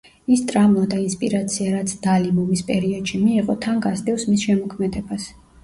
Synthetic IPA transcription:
ist̪ʼɾamad̪ainspʼḭɾat̪sʰiaɾat̪sʰd̪̥alibumispʼɛɾiɔd̪̥ʃimiːʁɔt̪ʰaŋɡasd̪ɛvsmisʃɛmɔkʰmɛd̪ɛbas

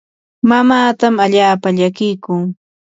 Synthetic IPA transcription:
mamaːt̪amaʎaːpaʎakɪjkʊŋ

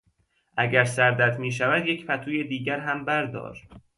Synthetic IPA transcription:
ʔæɟæɾsæɾd̪æt̪ʰmiːʃ̬ævæd̪je̞cʰpæt̪ʰuːjed̪iːɟæɾɦæmbæɾd̪ɒ̰ːɾ

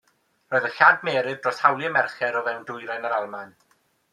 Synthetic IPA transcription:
rɔːɨðəɬadmɛːɾɨðdrɔshawlˠiəmɛrχɛɾɔvɛwndʊjɾajnəɾalˠman

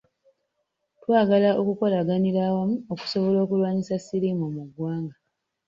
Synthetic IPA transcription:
twaːɡalaʔo̞kuko̞laɡaniɾaːwamuoku̥so̞βo̞lo̞ːkulwaːɲisasiɾimomuɡwaːŋɡa

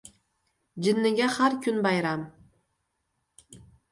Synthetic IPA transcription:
d͡ʑɘ̆nːɘ̆ɡʲæχærkʲynbɑjɾɑm

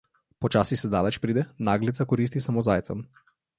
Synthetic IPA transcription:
pɔt͡ʃaːsisɛd̪aːlɛt͡ʃpɾiːd̪ɛnaːɡlit̪sakɔɾiːs̬t̪isamozaːjt̪sa̰m

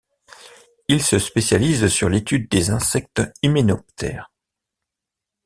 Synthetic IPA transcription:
ilsəspesjalizsyʁlet̪ʰyd̪̚ːezɛ̃sɛk̚t̪imenɔp̚t̪ʰɛ̰ːʁ

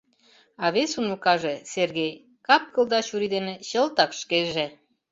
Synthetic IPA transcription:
ɑβesunukɑʒeserɣej | kɑp̚kə̆ld̪ɑɕuɾid̪enĕɕəlt̪ɑkʃkeʒe

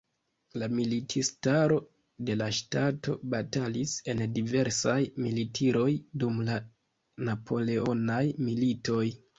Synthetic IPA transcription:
lamilitʰistaɾo̞ | de̞laʃtato̞̰batalise̞ndive̞ɾsajmilitʰiɾo̞jdumla | napʰo̞le̞o̞najmilito̞j

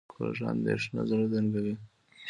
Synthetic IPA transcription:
koʒɑnd̪eʂna̰zaɾazaŋɡawi

